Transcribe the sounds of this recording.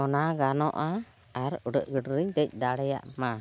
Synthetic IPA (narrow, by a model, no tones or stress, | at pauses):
ɔnaɡanɔʔa | aɾəɖəʔɡəɖɾəɲd̪əc̚ˀd̪aɽɛja̰ʔma